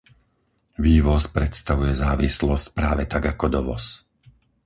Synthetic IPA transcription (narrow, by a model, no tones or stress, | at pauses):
ʋiːʋɔspɾɛt̪st̪aʋujɛzaːʋislɔsc̚pɾaːʋɛt̪aɡakɔd̪ɔʋɔ̰s